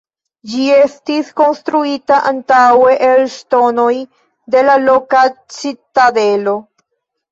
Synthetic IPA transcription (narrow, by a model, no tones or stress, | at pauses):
d͡ʒie̞stisko̞nst̪ɾuitaʔantawe̞ʔelsto̞no̞j | de̞lalo̞kat͡sitadelo̞